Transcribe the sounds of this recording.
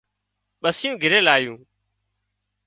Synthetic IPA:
ɓəsɪjũːɡʱɪɾeːlaːjũː

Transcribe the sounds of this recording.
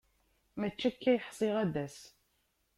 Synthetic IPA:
mæt͡ʃːækːæjəħsˤiʁæðæs

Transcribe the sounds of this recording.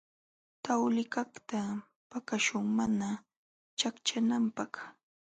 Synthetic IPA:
t̪awlɪkaχt̪a | pakaʃʊŋmana | t͡ʃakt͡ʃanampaχ

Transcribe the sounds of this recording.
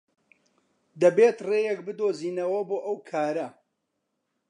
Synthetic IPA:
d̪ɐbeːt̪reːjek̚bɨd̪oːziːnɐwɐboːʔɐwkʰaːɾɐ

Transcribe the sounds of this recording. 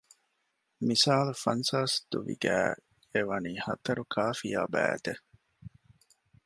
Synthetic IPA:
misaːlufɐnsaːsd̪uʋḭɡæː | eʋɐniːhɐt̪ɐɾukʰaːfijaːbæ̰ːt̪e

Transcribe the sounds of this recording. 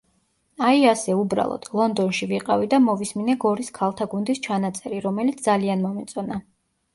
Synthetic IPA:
aiasɛubɾa̰lˠɔ̰d̪̥lˠɔnd̪ɔnʃiviqʼavid̪amɔvisminɛɡɔɾiskʰalˠt̪ʰaɡund̪ist͡ʃʰanat̪sʼɛɾiɾɔmɛlit̪d̪zalianmɔmɛt̪sʼɔna

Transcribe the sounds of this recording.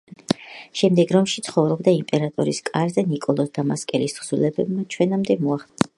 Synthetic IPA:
ʃɛmd̪ɛɡɾɔmʃit̪sʰχɔvɾɔbd̪aimpʼɛɾat̪ʼɔɾiskʼaɾzɛnikʼɔlˠɔsd̪amaskʼɛlisχsulɛbɛbmat͡ʃʰwɛnamd̪ɛmɔaχ

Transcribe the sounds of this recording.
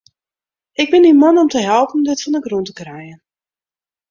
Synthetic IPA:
ɪɡ̚bɪnimɔnɔmtəɦɛlˠpən̩dɪtfɑndəɡruntəkrɛjən

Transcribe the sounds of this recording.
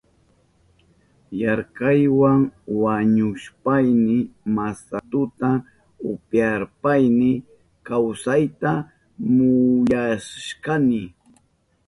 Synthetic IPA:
jaɾkajwaŋwaɲʊʃpajnɪmasat̪ʊt̪a | ʊpjaɾpajnɪ | kawsajt̪a | mʊʎaʃkanɪ

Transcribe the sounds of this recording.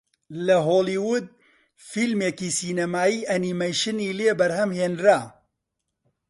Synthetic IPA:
lɐɦoːliwud̪̚ | fiːlmeːkiːsiːnɐmaːjiːʔɐnimɐjʃɨniːleːbɐɾhɐmheːnɾaː

